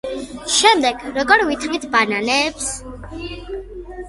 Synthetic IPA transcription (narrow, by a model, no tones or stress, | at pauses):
ʃɛmd̪ɛɡ̥ɾɔɡɔɾvit̪ʰɾvit̪ʰbananɛːps